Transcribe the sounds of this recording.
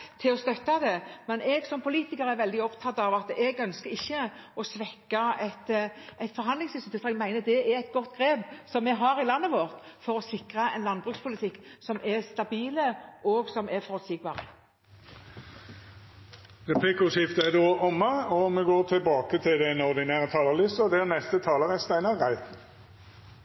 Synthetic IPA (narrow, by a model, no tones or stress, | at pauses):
t̪ʰɪlɔst̪œt̪ːɑd̪ɛmɛnʔɛɡsɔmpʰʊliːt̪ɪkəɾæɾʋɛld̪ɪɔpt̪ʰɑt̪ːɑʋɑt̪ɛɡœnskəɾɪçːəɔsʋɛkːɑɛt̪æɪt̪fɔɾɦɑnd̪lɪŋsɪst̪t̪ɪt̪ʁɛɡmæɪnəd̪ɛæɾɛt̪ɡɔt̪ːɡʁeːbsɔmːɛɡɦɑɾɪlɑnːəʋɔʁt̪fɔɾɔsɪkʁɑɛnlɑnbʁʉkspʰʊlɪt̪ʰɪkːsɔmʔɛʁst̪ɑbiːləʔɔɡsɔmʔɛfɔʁt̪siːɡ̚bɑːʁə | ʁɛpʰlɪkʊʃɪft̪æd̪oːʔɔmːəɔmɛɡoːt̪ʰɪlbɑːkət̪ʰɪld̪ɛnɔʁd̪ɪnæːʁət̪ʰɑːləʁlɪsɔd̪ɛæʁnɛst̪ət̪ʰɑːləʁɛst̪æɪnɑʁæɪt̪n